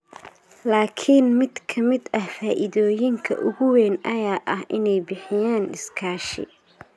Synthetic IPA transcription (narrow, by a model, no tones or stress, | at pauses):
laːkʰɪnmɪd̪kʰɐmɪd̪ɐhfaːʔɪðɔːjɪŋkʰɐ̰ʔʊɣʊwɛːnʔɐjaːʔɐɦʔɪnɛjbɪħɪjaːnɪskʰaːʃɪ̰